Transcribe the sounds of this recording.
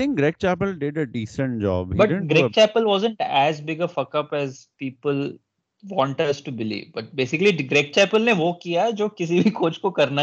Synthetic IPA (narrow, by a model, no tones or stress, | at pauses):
ɪ̃ŋkɡɾeːk̚t͡ʃæpəlɖɪɖəɖiːsə̃ɳʈ̚d͡ʒɔ̰ːbhibɐʈɪɡɾeːt͡ʃɛːpəlʋɔːzə̃ɳʈæzbɪɡəfɐkɐpɛzpiːpəl | ʋɔ̃ːɳʈɐsʈubɪlḭːʋbɐʈ̚beːsɪkəliɡɾeːk̚t͡ʃæːpəlneʋokijaɛd͡ʒoːkɪs̬ibʱikoːt͡ʃkokɐɾna